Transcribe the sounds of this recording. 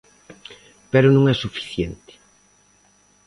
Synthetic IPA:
peɾʊnõŋɛsufi̥θjent̪ɪ̥

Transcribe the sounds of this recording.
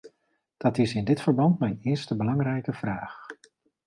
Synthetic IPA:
d̥ɑtɪsɪndɪtfəɹbɑntmɛjnɪːɹstəbəlɑŋrɛjkəv̥raːχ

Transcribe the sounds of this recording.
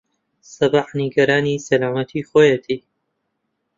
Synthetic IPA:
sɐbaħniɡɐɾaːniːsɐlaːmɐt̪ʰiːxoːjet̪ʰiː

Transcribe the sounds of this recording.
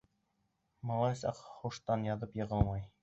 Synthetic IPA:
mɑlˠɑjsɑqχuʃt̪ɑnjɑðɤpjɤ̆ʁɤlˠmɑj

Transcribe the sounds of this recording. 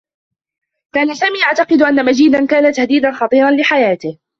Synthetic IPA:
kaːnasaːmiːʔaʕt̪ɑqɨd̪ʔanːamad͡ʒiːd̪ankaːnat̪ahd̪iːd̪anxɑt̪ˤiːɾˤɑnlɪħajaːt̪ɪh

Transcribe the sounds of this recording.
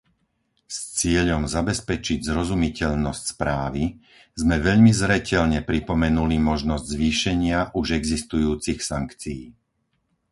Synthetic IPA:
st͡sɪɛʎɔmzabɛspɛt͡ʃiɟzɾɔzumicɛʎnɔscspɾaːʋi | zmɛʋɛʎmizɾɛcɛʎɲɛpɾipɔmɛnulimɔʒnɔzɟzʋiːʃɛɲɪaʔuʒɛɡzist̪ujuːt͡sixsaŋkt͡siː

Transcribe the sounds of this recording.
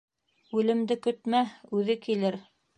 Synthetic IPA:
ʉlɘ̆md̪ɘkɵ̆t̪mæʉðɘkilɘɾ

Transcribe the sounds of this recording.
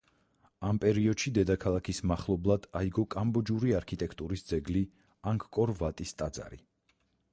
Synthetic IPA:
ampʼɛɾiɔd̪̥ʃid̪ɛd̪akʰalˠakʰismaχlˠɔblˠad̪̥aiɡɔkʼambɔd͡ʒuɾiaɾkʰit̪ʼɛkʰt̪ʼuɾisd̪zɛɡli | aŋkʰkʼɔɾvat̪ʼist̪ʼad̪za̰ɾḭ

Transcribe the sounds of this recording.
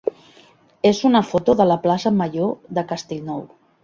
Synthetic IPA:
ezunəfot̪oðələplasəməʒoðəkəst̪eʎnɔw

